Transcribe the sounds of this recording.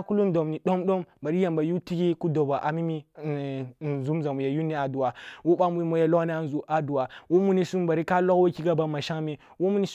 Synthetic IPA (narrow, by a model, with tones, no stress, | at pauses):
ku˦lu˦n˦do˨mni˨ɗo˦mɗo˦mba˨ɾi˦ja˨mba˨ju˦ti˦ɡi˦ku˦do˨ba˨ʔa˨mi˦mi˦˨ | zu˦mza˨mu˨ja˨ju˦ni˦a˨du˨wa˨wo˦ɓa˦mu˦i˦mo˦ja˨˦lo˦ni˦a˦˨n˨zu˨ʔa˨du˨wa˨wo˦mu˦ni˦su˦mba˨ɾi˦ka˦lo˦kwo˦ki˦ɡa˨ba˨ma˨ʃa˦ŋme˨ | wo˦mu˦ni˦s